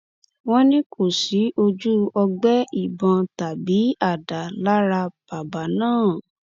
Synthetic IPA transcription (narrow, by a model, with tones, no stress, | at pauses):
w̃ɔ̃˦nĩ˦kʰo˦˨si˨˦ʔo˧d͡ʒu˦ɔ˧ɡ͡bɛ˦i˦˨bɔ̃˧ta˨bi˨˦a˦˨da˨la˦ɾa˧b̥a˨ba˨nãː˦˨